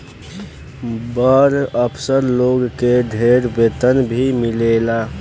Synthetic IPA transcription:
bəɾəpʰsəɾloɡked̪ʱeɾbet̪ənbʱimilela

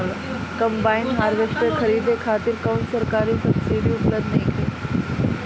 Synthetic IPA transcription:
l | kə̃mbaːinɦaːɾʋesʈəkʰəɾiːd̪ekʰaːt̪iɾkaːnsəɾkaːɾĩsɐpsid̪iʊpləbd̪nɐɦĩkʰeː

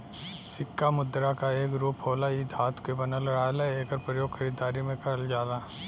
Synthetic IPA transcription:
sɪkːamʊd̪ːɾakaeːkɾuːpɦoːlaiːd̪ʱɦaːt̪ʰkebɐnəlɾaːlɛeːkəɾpɾəjoːɡxʰɐɾiːd̪aːɾimẽkɐɾəld͡ʒaːd̪aː

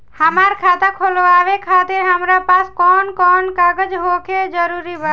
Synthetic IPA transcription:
həmaɾkʰat̪akʰoloaʋekʰːat̪iɾɦəmɾapaskɔnkɔnkaɡəd͡ʒɦoked͡ʒəɾuɾibə

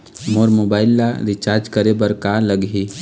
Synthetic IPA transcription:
moɾmoːbaːɪlːaɾɪt͡ʃaːɾd͡ʒkəɾebəɾkaləɡɦi

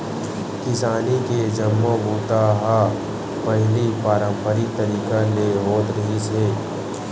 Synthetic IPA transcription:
kɪsaːniked͡ʒɐmːõɡuːt̪aɦa | pɐɦlipaːɾə̃mpəɾit̪ɐɾiːkaleɦoːt̪ɾɐɦiseː

